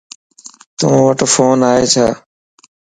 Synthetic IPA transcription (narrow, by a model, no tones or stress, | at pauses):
t̪ũʋəʈfoːnaːeːt͡ʃʰaː